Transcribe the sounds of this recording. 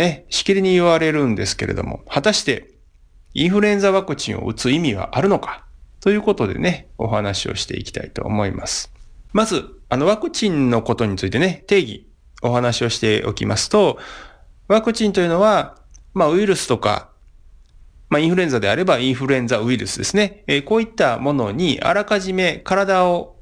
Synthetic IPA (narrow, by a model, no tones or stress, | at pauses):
neɕi̥kʲiɾʲiɲ̟iːβaɾe̞ɾɯ̟̃nd̪e̞sɨ̥ke̞ɾʔe̞̰d̪o̞̰mo̞̰hat̪aɕi̥t̪e̞̰ | ĩɰ̃ɸɯ̟ɾɯẽ̞nd͡zaβakɯ̟t͡ɕḭ̃ɰ̃o̞̰ɯ̟t͡sɨimʲiβa̰ʔaɾɯ̟no̞kḁt̪o̞jɯ̟ːko̞t̪o̞d̪e̞̰ne̞o̞̰ɦanaɕio̞̰ɕi̥t̪e̞̰ḭkʲi̥t̪a̰it̪o̞̰ːmo̞ima̰sɨ̥mazɨano̞βakɯ̟t͡ɕĩnno̞ko̞t̪o̞ɲ̟it͡sɨit̪e̞net̪e̞ːɡʲḭ | o̞ɦanaɕio̞ɕi̥t̪eo̞̰kʲimasɨ̥t̪o̞ | βakɯ̟t͡ɕĩnt̪o̞jiɯ̟no̞βamaɯ̟iɾɯ̟sɨ̥t̪o̞ka̰ | maĩɸɯɾẽ̞nd͡zad̪e̞aɾe̞baĩɰ̃ɸɯ̟ɾɯẽ̞nd͡zaɯ̟iɾɯ̟sɨd̪e̞sɨne̞ko̞ːit̪ːamo̞no̞ɲ̟iʔa̰ɾakaʑime̞kaɾad̪ao